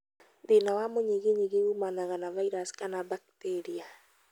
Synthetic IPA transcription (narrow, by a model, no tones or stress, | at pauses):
denawamoɲeɣeɲeɣeumanaɣanavaiɾaskanabak̚teɾia